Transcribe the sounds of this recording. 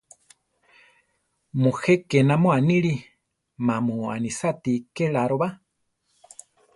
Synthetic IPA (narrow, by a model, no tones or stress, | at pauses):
mũxekenamõaniɺi | mãmũa̰nisat̪ikeɺaɾoβa